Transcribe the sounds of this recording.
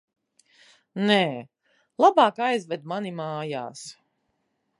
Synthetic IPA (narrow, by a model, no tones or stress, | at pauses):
nɛː | lˠabaːkajzvɛd̪manimaːja̰ːs